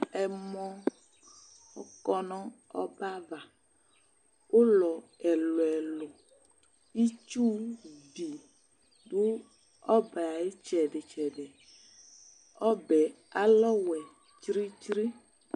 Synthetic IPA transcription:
ɛ˨mɔ̃˦ | ɔ˨kɔ˦nɔ̃˦ɔ̰˦ba˦va˨ | wo˦lɔ˨ɛ˨lo˨ɛ˨lo˨ | i˦t͡ʃu˦bi˨ | ɖu˦ | ɔ˦bɛ˨a˨je˦t͡ʃɛ˨ɖe˨t͡ʃɛ˨ɖe˨ | ɔ˦bɛ˨ | a˦lɔ˦wɛ˨ | t͡ʃɾi˦t͡ʃɾi˦

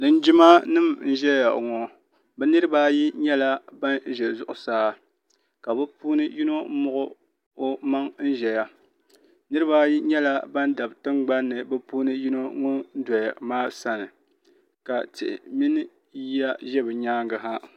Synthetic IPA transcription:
nɨ˨n˦d͡ʒi˦ma˦nɨ˦mn̩˦ʒɛ˦ja̰˨ŋɔ˨ | bɛ˦nɨ˦ɾɨ˦baː˦ji˦ɲɛ˦la˦ba˦n˦ʒɛ˨zʊ˦ʔʊ˨saː˦ | ka˨bɛ˦puː˦nɨ˦ji˦no˦m̩˦mʊ˦ʔʊ˦ | o˦ma˦ŋn̩˦ʒɛ˨ja˦ | nɨ˦ɾɨ˦baː˦ji˦ɲɛ˦la˦ba˦n˦da˨btɨ˦ŋ͡mɡ͡ba˦nːɨ˨bɛ˦puː˦nɨ˦ji˦no˦ŋɔ˦n̩˦dɔ˨ja˨maː˦sa˦nɨ˨ | ka˨tɪ˨ʔɪ̰˨mi˦nɨ˦ | a˦ʒɛ˦bɨ˨ɲaː˦ŋɡɨ˨ɦa˦

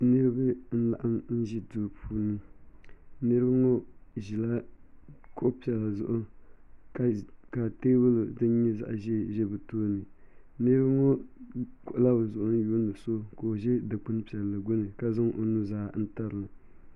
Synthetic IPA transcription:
nɨ˦ɾɨ˦ba˦n̩˦la̰˨ʔa˦mn̩˦ʒi˦duː˨pʰuː˦nɨ˦ | nɨ˦ɾɨ˦bŋo˦ʒi˨la˦ | kʊ˦ʔpi˨ɛ˨lːa˨zʊ˦ʔʊ˦ka˨ka˨te˦bɨ˦lo˨dɨ˦n˦ɲɛ˦za̰˦ʔʒɛ˦ʒɛ˦bɨ˨toː˦nɨ˨ | nɨ˦ɾɨ˦bŋo˦kʊ˨ʔʊ˨la˦bɨ˨zʊ˨ʔʊ˦n˦jo˦ndɨ˨so˦ko˨o˨ʒɛ˦dɨ˨k͡pɨ˦n˦pi˨ɛ˨lːɨ˨ɡo˦nɨ˨ka˦za˦ŋʔo̰˨nu˦zaː˦n̩˦ta˦ɾɨ˨a˨

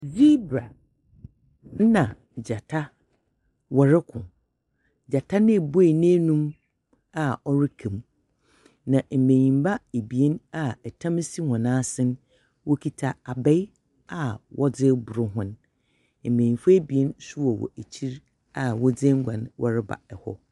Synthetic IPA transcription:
vi˦bɾa˨ | n̩˦nã˨ | d͡ʑa˨tʰa˦ | wɔ˨ɾɪ˦kʰʊ̃˨ | d͡ʑa˨tʰa˦nɪ̃˦˨bo˦e˨nẽ˦nũ˦m | a˦ɔ˦ɾɪ˦kʰẽ˨m | nã˨m̩˨mẽ˨ɲĩ˨mba˦e˨bi˨e˦na˦˨ɛ˨tʰã˦m˦si˦hʊ̃˨nãː˦sɪ̃˦n˦ | wɔ˦kʰi˦tʰa˨a˨bɛ˦j | a˨wʔɔ˦d͡zɪ˦bʊ˨ɾʊ˦ɦʊ̃˦n | m̩˨mẽ˨ɲĩ˨fa˦e˦bi˨e˦nsʊ˦wɔ˨wɔ̰˨e˨t͡ɕʰi˦ɾ | a˨wɔ˦d͡zɪ˦ŋ̩˦ɡʷã̰˨nwʔɔ˦ɾɪ˦ba̰˨ɛ˨hɔ̰˦

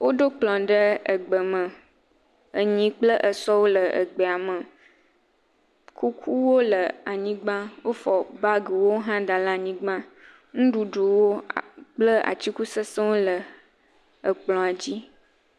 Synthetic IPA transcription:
wo˦ɖo˦k͡plɔ̃˨ɖə˦ə̰˨ɡ͡bə˨mə̃˨ | ə˨ɲĩ˦k͡plə˦ʔə˨sɔ˦wo˦lə˨ʔə̰˨ɡ͡be˨a˨mə̃˨ | ku˦kʰu˦wo˦lə˨a˨ɲĩ˦ɡ͡bã˦wo˦fɔ˨ba˦ɡə˨wo˦ɦã˦d̪a˨la˦˨ɲĩ˦ɡ͡bã˦ | ŋũ˦ɖu˨ɖu˨wo˦˨k͡plə˦a̰˨t͡ɕi˦ku˦sə˦sə˦wo˦lə˨ | ə˨k͡plɔ̃˨a˨d͡ʑi˦

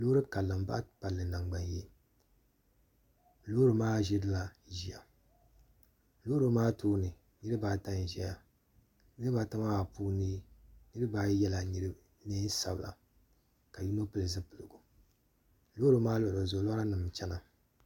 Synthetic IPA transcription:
loː˦ɾɨ˦ka˨lːɨ˨m˦ba̰˦pa˨lːɨ˨na˨ŋɡ͡ba˨nje˦˨ | lo˦ɾɨ˨maː˦ʒe˦dɨ˦la˨ʒi˨a̰˨ | lo˦ɾo˦maː˦tuː˦nɨ˨ | nɨ˦ɾɨ˦baː˦ta˦n˨ʒɛ˦ja˨ | nɨ˦ɨ˦ba˨ta˦ma˦a˨puː˦niː˦nɨ˦ɾɨ˦baː˦jɛ˦la˨ni˦ɾɨ˦ | neː˦n˦sa̰˨bɨ˨la̰˨ | ka˨ju˦no˦pɨ˨lɨ˨zɨ˦pɨ˨lɨ˨ɡu˨ | lo˦ɾɨ˦maː˦lo˦˨o˨zo˨˦la˦ɾa˦nɨ˨m˨t͡ʃɛ˦na˨

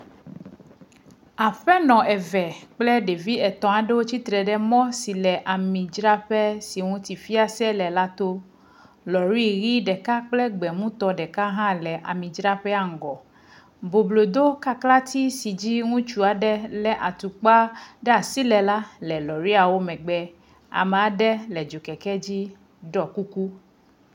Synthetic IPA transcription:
a˨ɸɛ˦nɔ̃˨ʔɛ˨vɛ˨k͡plɛ˦ɖe˨vi˦ɛ˨t̪ɔ̃˨a˨ɖe˦wo˦t͡ɕi˦t̪ɾɛ˨ɖɛ˦mɔ̃˦si˨lɛ˨ʔa˨mĩ˨d͡ʒɾa˦ɸɛ˦si˨ŋũ˦t̪i˨fi˦a˦sɛ˦lɛ˨la˦t̪o˦ | lɔ˨ɾi˦˨ɣi˦ɖɛ˨ka˦k͡plɛ˦ɡ͡bɛ˨mũ˦t̪ɔ˦ɖɛ˨ka˦ɦã˦lɛ˨ʔa̰˨mĩ˨d͡ʒɾa˦ɸɛ˦a˨ŋ̩˨ɡɔ˨ | bo˨blo˨d̪o˦ka˦kla˦t̪ʰi˦si˨d͡ʑi˦ŋũ˦t͡ʃu˦a˨ɖɛ˦lɛ˨ʔa˨t̪u˨k͡pa˦ɖɛ˦a˨si˦lɛ˨la˦lɛ˨lɔ˨ɾi˦a˨wo˦mɛ̃˨ɡ͡bɛ˦ | a̰˨mɛ˨a˨ɖɛ˦lɛ˨d͡ʒo˨kɛ˨kɛ˦d͡ʑi˦ | ɖɔ˨ku˦ku˦

